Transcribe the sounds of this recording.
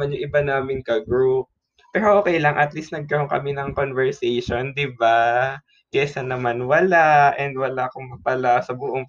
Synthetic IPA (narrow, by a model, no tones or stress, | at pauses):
anjʊŋʔɪbanaːmɪnkɐɡɾup̚ | pːɛːɾoʔoːkɛjlɐŋʔɐt̪list̪nɐɡ̚kɐɾoŋkɐ̰mɪnɐŋkonvɛɹsɛjʃond̪ɪba | kɛʔsanːɐmanwɐlaʔɛnd̪wɐlakoŋmɐpɐlasɐbʊʔoŋ